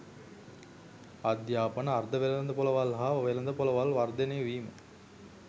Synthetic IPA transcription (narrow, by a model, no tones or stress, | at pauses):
ɐd̪jaːpənəːrd̪ɐʋelɐnd̪ɐpolɐʋalɦaʋelɐnd̪əpolɐʋalʋɐrd̪eneːʋiːmə